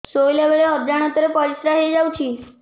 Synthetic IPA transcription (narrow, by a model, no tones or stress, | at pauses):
sojljaʋeɭeɦəd̪jaɽ̃ət̪əɾepəɾisɾaɦed͡zawt͡ɕʰiː